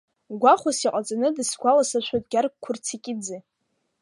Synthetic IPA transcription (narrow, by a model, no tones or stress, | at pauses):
ɡʷaχʷasiqʼat͡sʼanɨdɨsɡʷalasaʃʷʰojtʼɡʲark̚kʷʰʊrt͡sʰikʲʼɪd͡zɨ